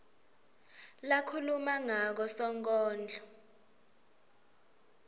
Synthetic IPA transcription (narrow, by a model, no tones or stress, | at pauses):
lakʰulumaŋak̬ɔsɔŋk̬ʼɔːnd͡ɮʱɔ